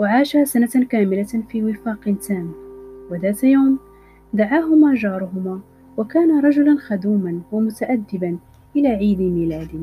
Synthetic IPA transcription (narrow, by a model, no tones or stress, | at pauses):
waʕaːʃaːsanakaːmɪlafiːwɪfɑːqnt̪aːmwad̪aːt̪ajawm | d̪aʕaːɦʊmaːʒɑːɾˤʊɦʊmaː | wakaːnaɾˤɑd͡ʒʊlanxɑd̪uːmanwamʊt̪aʔad̪ːɪban | ʔɪlaːʕiːd̪ɪmiːlaːd̪ɪ